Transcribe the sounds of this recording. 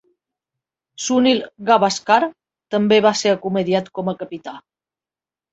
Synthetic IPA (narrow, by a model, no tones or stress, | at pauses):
sunilɣaβaskaɾ | t̪əmbeβaseɾəkumeðiat̪kɔməkəpit̪a